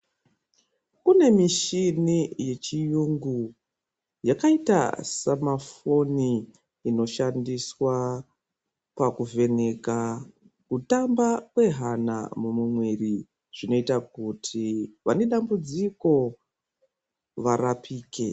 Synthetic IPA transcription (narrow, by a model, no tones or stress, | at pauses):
kune̞miʃinije̞t͡ʃijuŋɡu | jakaita̰samafo̞niː | no̞ʃandiswa | pakuve̞ne̞ka | kutambakwe̞ɦana̰mumumweri | ʐ̥ino̞itakutʰiʋane̞ɗambud͡ziko̞ | ʋarapʰiːke̞